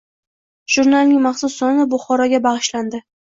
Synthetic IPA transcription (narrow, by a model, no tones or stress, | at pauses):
ʒ̥ʊɾnalnɪŋmɑχsʊsːɒnɪbʊχɒɾɒɡʲabaʁɨʃland̪ɪ